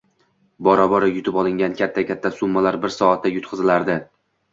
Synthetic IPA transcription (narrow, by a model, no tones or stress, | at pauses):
bɒɾɒbɒɾɪjʊt̪ʰɪpɒlˠɪŋʲankʲʰat̪ʰːakʲʰat̪ʰːasʊmːalaɾbɪɾsɒat̪ʰːajʊt̪̚qʰɨzɪlaɾd̪ɪ